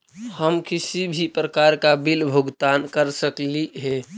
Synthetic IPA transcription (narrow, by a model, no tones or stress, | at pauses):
həmkɪsibʱipɾəkaɾkabɪlbʱʊɡt̪aːnkəɾsəkliɦɛ